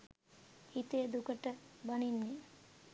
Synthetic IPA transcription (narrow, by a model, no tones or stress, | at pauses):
hit̪ejəd̪ukəʈəbɐninːe